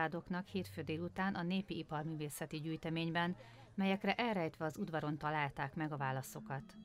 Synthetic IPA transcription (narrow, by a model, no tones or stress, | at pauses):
aːd̪o̞knɒkheːt̪føːd̪eːlut̪aːnʔɒneːpiipɒrmyːveːsɛt̪iɟyːjt̪ɛmeːɲbɛn | mɛjɛkrɛʔɛlrɛjt̪ʋɛɒzud̪vɒɾo̞nt̪ɒlaːlt̪aːkmɛɡɒvaːlɒso̞kɒt̪